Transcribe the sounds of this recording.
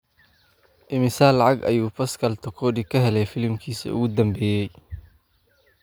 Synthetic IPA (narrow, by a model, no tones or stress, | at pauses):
ʔɪmɪsaːlːɑʕɑɡɐ̰juːpɐskʰɐlt̪ʰɐkʰɔːdɪkʰɐɦɛlɛjfɪlɪmkʰiːsɐ̰ʊ̰ɣʊd̪ɐmbɛːjɛj